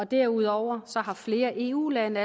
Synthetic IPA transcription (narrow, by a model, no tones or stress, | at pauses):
ɒ̽d̥æɐ̰uð̞̰ˠɒʊ̰ɐsɒ̽ɦɑ̈fle̝ːɐʔe̝̰ːṵːlænəæ